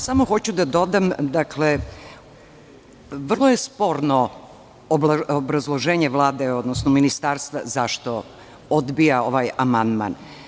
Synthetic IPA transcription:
samo̞xo̞t͡ɕud̪ad̪o̞d̪amd̪akʰle | ʋr̩lˠojespo̞ːɾnoː | blaobɾazlˠo̞ʒeːɲeʋlˠaːd̪eo̞d̪nosnominist̪aːɾst̪ʋa̰zaʃt̪o | od̪bijao̞ʋaːjamand̪ma̰n

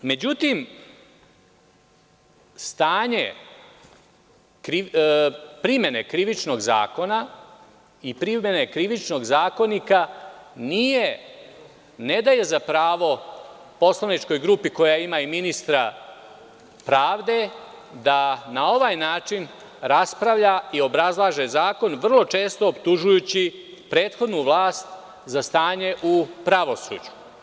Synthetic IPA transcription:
me̞d͡ʑut̪im | st̪aːɲe̞̰ | kɾi | pɾimje̞ne̞kɾiʋit͡ʃno̞ɡza̰ːko̞na | ipɾimjene̞kɾiʋit͡ʃno̞ɡzaːko̞nikanije̞ | ne̞d̪aje̞zapɾaːʋo̞ | po̞slanit͡ʃko̞jɡɾuːpiko̞jaimaiminist̪ɾa | pɾaːʋd̪e̞ | d̪anao̞ʋajnaːt͡ʃin | ɾaspɾaʋʎaio̞bɾazlˠaːʒe̞zaːko̞nʋr̩lˠo̞t͡ʃe̞ːst̪oːpt̪uʒujut͡ɕi | pɾe̞ːt̪xo̞d̪nuʋlˠaːst̪ | zast̪aːɲe̞ʔupɾaʋo̞sṵːd͡ʑu̥

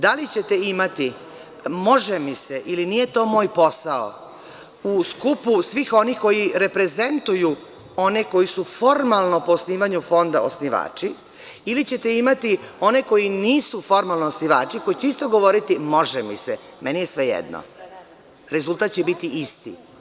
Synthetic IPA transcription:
d̪alit͡ɕet̪eimat̪i | mo̞ʒemiseʔilinije̞t̪o̞ːmo̞ːjpo̞sao̰ | uskupusʋixo̞nixko̞jiɾe̞pɾe̞ze̞nt̪uju | o̞ne̞ko̞jisufo̞ɾmalˠnopo̞sniːʋaɲufo̞nd̪a̰osniʋa̰ːt͡ʂi | ilit͡ɕet̪eimat̪io̞ne̞ko̞jiniːsufo̞ɾmalnoosniʋa̰ːt͡ʃiko̞jit͡ɕeist̪o̞ɡo̞ʋo̞ɾit̪imo̞ʒemḭsemenijesʋe̞jḛd̪no̰ | ɾe̞zulˠt̪aːt̪̚t͡ɕebit̪iist̪ḭ

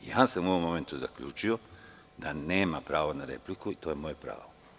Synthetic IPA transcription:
jaːsamuo̞ʋomːo̞ment̪uza̰kʎṵːt͡ʃio̞ | d̪̥aneːmapɾaːʋanaɾḛplikuit̪o̞ːjemojepɾa̰ːʋo

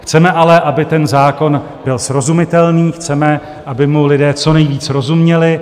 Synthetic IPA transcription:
xt͡sɛmɛʔalɛʔabɪt̪ɛnzaːko̞n | b̥ɪlsɾo̞zumɪt̪ɛlniːxt͡sɛmɛ | ʔabɪmulɪdɛːt͡so̞nɛjviːt͡sɾo̞zumɲɛlɪ

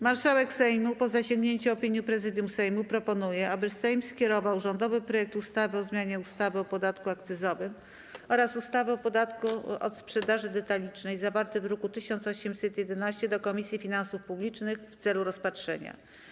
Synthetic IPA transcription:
maɾʂawɛksɛjmupɔzaɕẽŋɡɲeɲt͡ɕuɔpʲiɲjipɾɛzɘd̪jumsɛjmupɾɔpɔnujɛabɘsɛjmskʲɛɾɔvawʐɔnd̪ɔvɘpɾɔjɛk̚t̪ust̪avɘɔzmʲjaɲɛust̪avɘɔpɔd̪at̪kuakt̪sɘzɔvɘm | ɔɾasust̪avɘɔpɔd̪at̪kuʔɔ̰t̪spʂɛd̪aʐɘd̪ɛt̪alʲit͡ʂnɛjzavaɾt̪ɘvɾɔkut̪ɘɕɔnt̪sɔɕɛmsɛt̪jɛd̪ɛnaɕt͡ɕɛd̪ɔkɔmʲisʲjifʲinansufpublʲit͡ʂnɘxft̪sɛluɾɔspatʂɛ̰ɲa̰

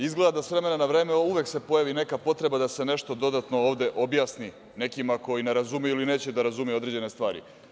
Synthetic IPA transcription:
izɡled̪asʋɾe̞me̞nanaʋɾe̞ːmeuʋe̞kse̞po̞jaʋine̞kapo̞t̪ɾe̞bad̪ase̞ne̞ʃt̪o̞d̪o̞d̪at̪no̞oːʋd̪e̞ʔo̞bjaːsni | ne̞kimako̞jine̞ɾazumeiline̞ːt͡ɕed̪aɾazumijo̞d̪ɾed͡ʑe̞ne̞st̪ʋaːɾḭ

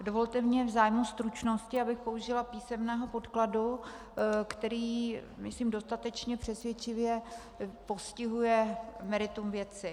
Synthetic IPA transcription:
do̞vo̞lt̪ɛmɲɛvzaːjmust̪ɾut͡ʃno̞scɪabɪxpo̞uʒɪlapiːsɛmnɛːɦo̞po̞t̪kladu | kt̪ɛɾiː | mɪsliːmdo̞st̪at̪ɛt͡ʃɲɛpr̝̥ɛsvjɛt͡ʃɪvjɛ | po̞scɪɦujɛmɛɾɪt̪umvjɛt͡sɪ

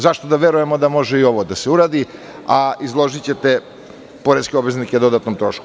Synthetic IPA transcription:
zaʃt̪od̪aʋeɾuje̞mo̞d̪amo̞ʒeio̞ʋod̪aseuɾaːd̪i | aizlˠo̞ʒit͡ɕe̞t̪e | poɾet̪skʲeobʋe̞znikʲed̪o̞d̪at̪nomt̪ɾoːʃko

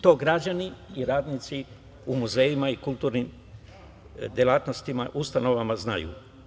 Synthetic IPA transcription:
t̪o̞ːɡɾad͡ʑaniːɾaːd̪nit̪si | umuzeːjimaikult̪uːɾnim | d̪jelaːt̪no̞st̪imaʔust̪ano̞ʋamazna̰jṵː

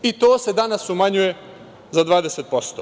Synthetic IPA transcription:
it̪o̞ːse̞d̪anasumaɲuje̞ | zad̪ʋaːd̪eset̪̚po̞st̪oː

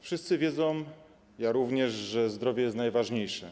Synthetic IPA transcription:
fʂɘst̪sɘvʲjɛd̪zɔ̃wm | jaɾuvɲɛʐʐɛzd̪ɾɔvʲjɛjɛst̪najvaʐɲejʂɛ̰

